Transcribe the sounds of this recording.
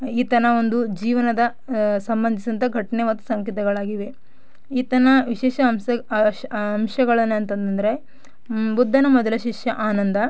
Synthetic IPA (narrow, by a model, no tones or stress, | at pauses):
iːt̪ɐnɐond̪ud͡ʒiːʋɐnɐd̪ɐ | sɐmbɐnd̪ʱisɐnt̪ɐɡʱɐʈɐnemɐt̪ːu̥sɐŋkit̪ɐɡɐɭaːɡiʋe̞ | iːt̪ɐnɐʋiʃɛːʃɐmɐ | ɐmʃɐɡɐɭɐnːuɐnt̪ɐnt̪ɐnd̪ɐɾe̞ | bud̪ʱːɐnɐmɔd̪ɐlɐʃiʂjɐʔaːnɐnd̪ɐ